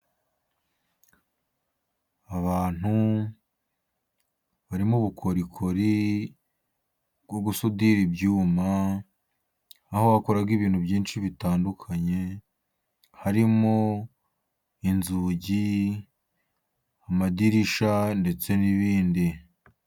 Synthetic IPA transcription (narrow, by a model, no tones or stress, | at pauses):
aβaːn̥hu | βaɾimuβukʰo̞ɾikʰoɾi | bɡo̞ɡusudiɾibɟuːma | hoβakoɾaɡiβiːn̥hubjiːnʃiβitaːndukʰaɲe̞ | haɾimo | inzuɟi | amadiɾiʃande̞t͡se̞niβiːndi